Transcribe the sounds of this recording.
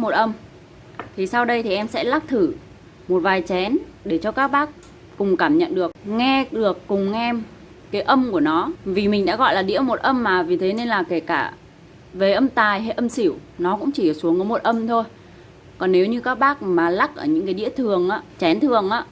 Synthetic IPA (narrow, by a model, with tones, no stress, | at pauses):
mo˨˩t̚ʔə˧m | t̪ʰi˨˩sa˧wɗə˧jt̪ʰi˨˩ʔɛ˧msɛ̰˧˥la˦˥k̚t̪ʰɨ˧˩ | mo˨˩t̚vaː˨˩jt͡ɕɛ˨˦nɗe˧˩t͡ɕɔ˧kaː˦˥k̚ɓaː˦˥k̚ | kʊ˨˩ŋ͡mkaː˧˩mɲə̰˧˨nɗɨ˨˩ək̚ŋɛ˧ɗɨ˨˩əkːʊ˨˩ŋ͡mŋɛ˧m | kaː˨˦jʔə˧mku˧˩ənɔ˨˦vi˨˩mï˨˩ŋ̟ɗa̰ː˧˥ɣɔ̰˧˨jlaː˨˩ɗḭ˧˥əmo˨˩t̚ʔə˧mːaː˨˩vi˨˩t̪ʰe˨˦ne˧nlaː˨˩ke˧˩kaː˧˩ | ve˨˩ʔə˧mt̪aː˨˩jɦa˧jʔə˧msi˧˩˨wnɔ˨˦kʊ̰˧˥ŋ͡mt͡ɕi˧˩əː˨˩su˨˦əŋkɔ˨˦mo˨˩t̚ʔə˧mt̪ʰo˧j | kɔ˨˩nːe˨˦wɲɨ˧kaː˦˥k̚ɓaː˦˥k̚maː˨˩la˦˥k̚ʔəː˧˩ɲɨ̰˧˥ŋkaː˨˦ɗḭ˧˥ət̪ʰɨ˨˩əŋʔaː˨˦t͡ɕɛ˨˦nt̪ʰɨ˨˩əŋʔaː˨˦˥